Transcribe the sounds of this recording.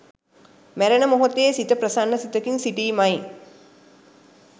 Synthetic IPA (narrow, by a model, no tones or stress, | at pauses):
mæɾɐnəmoɦot̪eesit̪əprɐsanːəsit̪əkinsiʈiːmaj